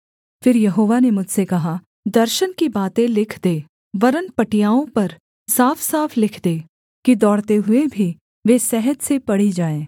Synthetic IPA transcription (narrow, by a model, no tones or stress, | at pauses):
fɪɾjɐɦoːʋanemʊd͡ʒʱsekɐɦa | d̪ɐɾʃənkibaːt̪ẽlɪkʰd̪eː | ʋɐɾənpɐʈijaːõpɐɾ | saːfʰsaːfʰlɪkʰd̪eː | kid̪ɔːɽt̪eɦʊebʱi | ʋeːsɛɦəd̪sepɐɽ̤id͡ʒaːẽː